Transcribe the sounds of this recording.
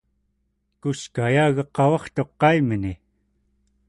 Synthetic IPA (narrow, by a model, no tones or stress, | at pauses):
kuskajaːɣɑqːɑwɑχt̪o̞qːɑiməni